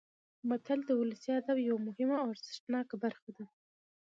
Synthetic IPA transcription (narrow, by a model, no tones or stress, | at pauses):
mat̪ʰald̪əwʊləsiad̪abjawamʊhɪmaaɾzɪʂʈnɑkabaɾxad̪a